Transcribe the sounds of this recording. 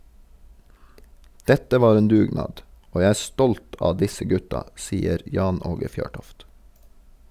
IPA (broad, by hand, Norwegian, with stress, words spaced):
ˈdɛtə ˈʋɑːɾ ˈeːn ˈdʉːˌɡnɑːd ˈoː ˈjæɪ ˈæː ˈstɔlt ˈɑː ˈdɪsə ˈɡʉtɑ ˈsiːəɾ ˈjɑːn ˈoːɡə ˈfjøːʈɔft